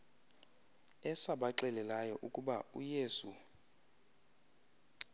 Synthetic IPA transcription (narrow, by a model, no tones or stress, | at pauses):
ɛsaɓaǁɛlɛlajɔʔukʼuɓaṵjeːsu